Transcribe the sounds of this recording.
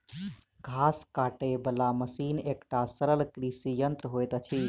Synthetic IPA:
ɡʱaskaʈebəlaməsiːnekʈasəɾəlkɾisijənt̪ɾəɦojt̪ət͡ʃʰi

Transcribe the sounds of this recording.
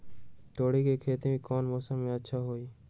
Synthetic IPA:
t̪oːɽiːkeːkʰeːt̪emẽkɔːnmoːsəmːẽətːʃʰaːɦoːiː

